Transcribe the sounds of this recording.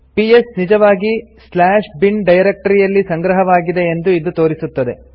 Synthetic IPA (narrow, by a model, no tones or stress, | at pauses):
piesnid͡ʒɐʋaːɡislaːʂbiɳɖɐjɾek̚ʈɐɾijɐlːisɐŋɡɾɐɦɐʋaːɡid̪e̞end̪uid̪ut̪o̞ːɾisut̪ːɐd̪e̞